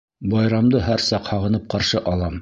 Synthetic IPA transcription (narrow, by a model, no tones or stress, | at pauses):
bɑjɾɑmd̪ɤɦæɾsɑqhɑʁɤ̆nɤp̚qɑɾʃɤʔɑlˠɑm